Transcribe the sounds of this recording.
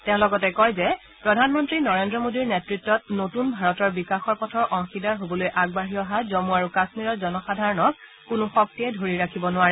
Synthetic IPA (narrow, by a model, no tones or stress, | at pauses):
tɛ̃ʊ̃lɔɡɔtɛkɔjzɛ | pɹɔdʱanmɔntɹinɔɹendɹɔmodiɹnɛtɹitːɔt̚notunbʱaɹɔtɔɹbikaxɔɹpɔtʰɔɹʔɔ̃ŋxidaɹɦobɔlojʔaɡbaɦijɔɦazɔmuaɹukasmiɹɔɹzɔnɔxadʱaɹɔnɔk̚ː | ʊnʊxɔk̚tiɛdʱoɹiɹakʰibɔnʊaɹɛ